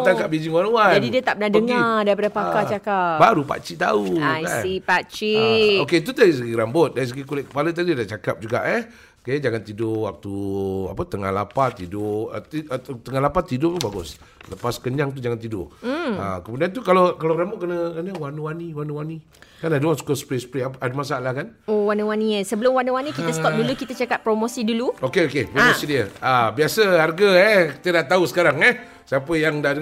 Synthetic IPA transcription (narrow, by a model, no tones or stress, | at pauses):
t̪akapbid͡ʒɪŋwanuwad͡ʒadidiət̪aʔpbənadəŋadaɾipadəpakat͡ʃakabaɾupa̰t͡ʃiʔt̪a̰uajasipat͡ʃioket̪̬ut̪aɾis̬əɡiɾambʊt̪̚daɾis̬əɡikulɛʔkə̥palət̪̬adiadat͡ʃakap̚d͡ʒuɡa̰ʔə | kajad͡ʒaŋant̪idʊwak̚t̪ua̰pət̪əŋa̰hlapat̪idʊə̰t̪it̪əŋaɦlapat̪idʊt̪ubaɡʊs | ləpaskəɲaŋt̪̬ud͡ʒaŋant̪idʊ̰ʔ̩ə̰kəmudiant̪̬ukalakalaɾamoʔkənəkənəwanuwaniwanuwani | kanadəwansu̥kosə̥pɾesə̥pɾeapadəmasaaʔlahkanowanuwaniəsəbəlʊmwanuwanikiəsək̪ɔdulukit̪ət͡ʃakat̪̚pɾomosiduluokeokepɾomosidiəabiasəharɡəɛkit̪ədaʔt̪ausə̥kaɾaŋɛh | siapəjaŋdadə